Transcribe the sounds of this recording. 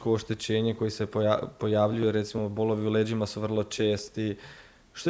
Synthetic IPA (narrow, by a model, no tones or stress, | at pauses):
ko̞ːʃt̪e̞t͡ɕe̞ːɲe̞ko̞jise̞ppo̞jaʋʎujuɾe̞t̪simo̞bo̞lˠo̞ʋiule̞ːd͡ʑimasuʋr̩lˠo̞t͡ʃe̞ːst̪i | ʃt̪o